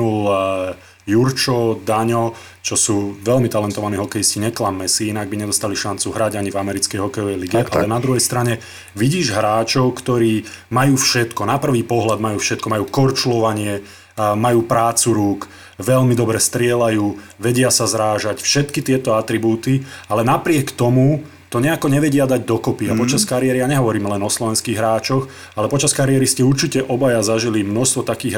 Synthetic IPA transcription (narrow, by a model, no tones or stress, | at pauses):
ul | juɾt͡ʃɔd̪aɲɔ | t͡ʃɔsuːʋɛʎmit̪alɛnt̪ɔʋaniːɦɔkɛjisciɲɛklamːɛsiinaɡ̚biɲɛd̪ɔst̪aliʃant͡suɦɾaɟaɲivamɛɾit͡skɛjɦɔkɛjɔʋɛjliɡɛʔʔa̰lɛnad̪ɾuɦɛjst̪ɾaɲɛ | ʋiɟiːʒɦɾaːt͡ʃɔʊkt̪ɔɾiːmajuːfʃɛt̪kɔnapr̩ʋiːpɔɦlad̪majuːfʃɛt̪̚kɔmajuːkɔɾt͡ʃlɔʋaɲɪɛ | majuːpɾaːt͡suɾuːk | ʋɛʎmid̪ɔbɾɛst̪ɾɪɛlajuːʋɛɟɪasazɾaːʒacfʃɛt̪kit̪ɪɛt̪ɔat̪ɾibuːt̪ialɛnapɾɪɛkt̪ɔmu | t̪ɔɲɛakɔɲɛʋɛɟɪad̪aɟd̪ɔkɔpiapɔt͡ʃaskaɾiɪɛɾijaɲɛɦɔʋɔɾiːmlɛnɔslɔʋɛnskiːɣɦɾaːt͡ʃɔx | alɛpɔt͡ʃaskaɾiɛɾiscɛuɾt͡ʃicɛʔɔbajazaʒilimnɔʃst̪ʋɔt̪akiːɣ